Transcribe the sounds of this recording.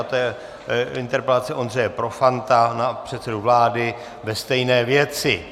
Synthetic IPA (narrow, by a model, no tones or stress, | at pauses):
t̪ɛjɛ | ɪnt̪ɛɾpɛlat̪t͡sɛʔo̞nrɛjɛpɾo̞fant̪anapr̝̥ɛt̪sɛduvlaːdɪ | vɛst̪ɛjnɛːvjɛt͡sɪ